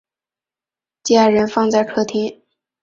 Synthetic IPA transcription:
t͡ɕja˥˩ɻə˧˥nfɑ˥˧ŋt͡sa˥˩ɪkʰɤ˥˩t̪ʰi˥

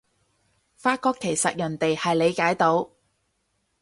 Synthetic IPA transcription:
faː˧˥t̚kɔː˧kʰːe˨˩jsɐ˨t̚jɐ˨˩nt̪e˨jhɐ˨jle˨˧jkaː˨˥jt̪o˨˥w

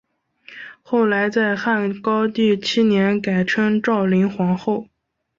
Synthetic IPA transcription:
xo˥˩ʊla˧˥ɪt͡sa˥˧ɪxa˥˩nkɑ˥ʊt̪i˥˩t͡ɕʰi˥njɛ˧˥nka˨˩ɪʈ͡ʂʰə˥nʈ͡ʂɑ˥˩ʊli˧˥ŋxwɑ˧˥ŋxo˥˩ʊ

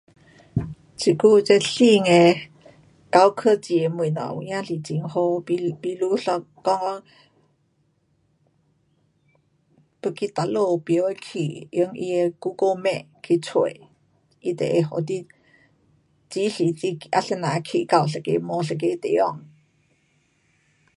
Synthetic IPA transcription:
t͡sʰi˨ku˥˧˨t͡se˥˦ɬi˥˧ŋe˧ | ka˧˦wkʰə˥˧˨t͡si˧e˧mwi˨nɔ̰˨˩wu˨jã˥˨ɬi˨t͡si˨˦ŋho˧i˧pi˧lu˧˦ɬɔ˧ | kɔ˥˧ŋɔ˦ | pə˧ki˧t̪a˨˧˦lo˧pjə˨˧˦we˧˦kʰi˨jə˧˦ŋʔḭ˧e˧ku˦ko˧mɛ̃˧˨ | kʰi˧t͡sʰwe˨ | i˧˦t̪ḛ˨e˧ɦo̰˨t̪i˦ | t͡si˧˦ɬi˨t͡si˧ʔa˧ɬə˧˨nã˨˦˧kʰḭ˨ka˧˩˨wɬ̬ə˨kḛ˧˦mɔ˧ɬə˨k̬e˧˦t̪ḛ˨˦ɔ˥˧˨ŋ

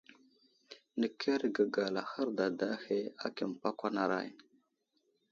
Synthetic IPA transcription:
nə˨kʰe˦ɾɡə˨ɡa˨la˨xə˦ɾda˨da˦xe˦a̰˦ki˨m˨pa˦kʷa˦na˨ɾa̰˦˨j

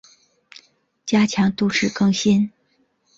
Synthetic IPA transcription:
t͡ɕja˥t͡ɕʰjɑ˧˥ŋt̪u˥˧ʈ͡ʂɻ̩˥˩kɤ˥˧ŋɕi˥n

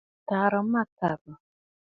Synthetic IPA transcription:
ta˨ɾɔ˨˦a˦ta˨rɔ˨

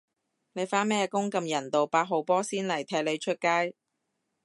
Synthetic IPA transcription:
ne˨˧jfaː˥nmɛː˥˧kʊ˥ŋkɐ˧mjɐ˨˩nt̪o˨wpaː˧˥k̚ɦo˨˧wpɔː˥siː˥nlɐ˨˩jt̪ʰɛː˧˥le˨˧jt͡ʃʰɵ˥t̚kaː˥j

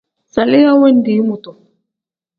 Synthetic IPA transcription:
sa˨lɪ˦ja˦wɛ˦n˦di˨˦mu˨tɔ˨

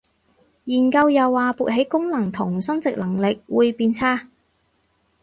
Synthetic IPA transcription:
jiː˨˩nkɐ˧wjɐ˨wːaː˨puː˨t̚ɦe˨˥jkʊ˥ŋlɐ˨˩ŋt̪ʰʊ˨˩ŋsɐ˥ŋt͡sɪ˨k̚lɐ˨˩ŋlɪ˨k̚wuː˨˧jpiː˧nt͡sʰaː˥

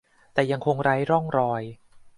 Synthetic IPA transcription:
t̪ɛː˨˩ja˧ŋkʰo˧ŋɾa˦˥jɾɔ˥˩ŋɾɔː˧j

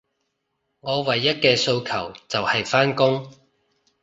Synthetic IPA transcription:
ŋɔː˨˧wɐ˨jːɐ˥t̚kɛː˧so˧wkʰɐ˨˩wt͡sɐ˨whɐ˨jfaː˥nkʊ˥ŋ

